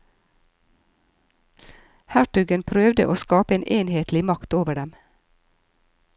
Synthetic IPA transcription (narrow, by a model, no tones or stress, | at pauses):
hæʈʉɡənpʰɾøːʋd̪ə̰ʔoːskɑːpəeːnʔeːnheːt̪ʰlɪmɑkt̪oːʋəɖɛm